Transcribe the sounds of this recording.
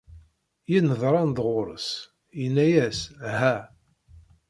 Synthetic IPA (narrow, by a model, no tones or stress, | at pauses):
jinəðˤɾˤɑnðʁʊɾˤə̰s | jənːæjæshæ